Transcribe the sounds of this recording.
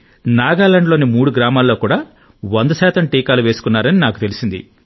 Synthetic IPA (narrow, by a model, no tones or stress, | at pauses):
naːɡaːlɐɳɖlo̞ːnimuːɽuɡɾaːmaːlːo̞ːkuːɽaː | ʋond̪ɐʃɛːt̪ɐmʈiːkaːluʋe̞ːsu̥kunːaːɾɐninaːkut̪e̞lisind̪ḭ